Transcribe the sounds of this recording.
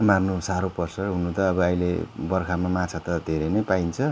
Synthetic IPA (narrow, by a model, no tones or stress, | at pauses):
marnusaɾopʌrsʌɦunut̪ʌːbʌʌjlḛbʌrkʰamamat͡sʰat̪ʌd̪ʱeɾʌnʌjpaint͡sʰʌ